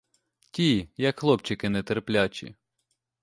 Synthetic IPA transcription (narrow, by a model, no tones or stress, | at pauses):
tʲijɐkxlˠɔpt͡ʃɪkɪnɛt̪erplʲat͡ʃʲḭ